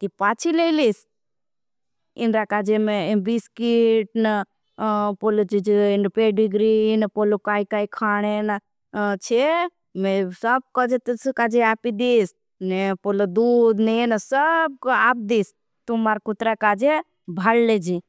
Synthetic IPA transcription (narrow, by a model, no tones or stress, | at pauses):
t̪ipaːt͡ʃʰilelis | ɪnɾakaːd͡ʒemebiskiʈnə | polot͡ʃid͡ʒinpeɖiɡɾinəpolokaːikaːikʰaːɽ̃ena | t͡ʃʰe | mẽsəb̚kɔd͡ʒet̪əskad͡ʒeaːpid̪iːs | nepolod̪ud̪nenəsəb̚kap̚d̪iːs | t̪umaːɾkʊt̪ɾakaːd͡ʒe | bʱalːed͡ʒi